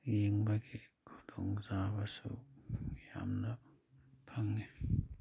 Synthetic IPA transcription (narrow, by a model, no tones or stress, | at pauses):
jeŋbaɡekʰod̥ɔŋzabasɯ̰wja̰mna | pʰaŋne